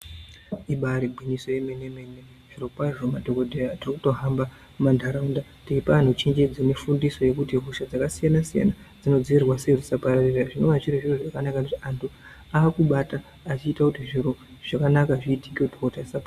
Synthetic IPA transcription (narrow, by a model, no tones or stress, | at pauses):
iɓaɾibʱwiniso̞jemene̞me̞ne̞ | ʐ̥irokwaʐomadʱo̞kodʱejatirikuto̞ɦamba | mandʱaɾaunda | tiipaan̤ut͡ʃend͡ʒe̞d͡zene̞fundiso̞je̞kutiɦuʃad͡zakasijanasija̰na | d͡zino̞d͡ziʋirwasekud͡zisapaɾariraʐinoʋat͡ʃiriʐiroʐakanakakutiantʰu | aːkuɓataː | t͡ʃiːtakutiʐiroʐ̥akanakaʐiːti̥kiodʱokodʱaisapa